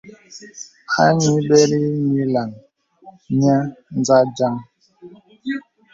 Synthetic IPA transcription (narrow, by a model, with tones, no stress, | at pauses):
ha̰˦ɲi˨˦bɛ˦ɾi˦mi˨˦la˨ŋ | ɲa˦n˦d͡za˦d͡ʒa˦ŋ